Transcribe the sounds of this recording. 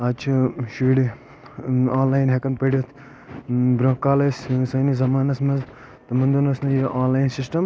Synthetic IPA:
ɐt͡ʃʰiʃiːɽi | aːnlaːjnɦekɐnpɐɽʲit̪ʰ | bɾõːkːaːlɐssɐjnizɐmaːnɐsmɐz | t̪ɐmɐnd̪unɐsnɐjiʔaːnlaːjnsisʈɐm

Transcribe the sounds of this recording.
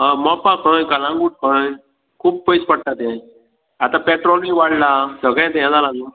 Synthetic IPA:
əmɔpãkəjkəlãŋɡuːʈ̚kəj | kʰuːb̚pəjspəɽt̪at̪ɛ̃ | at̪ãpɛʈɾɔlmiʋaɽlasəɡɭɛ̃t̪ejãd͡zalanu

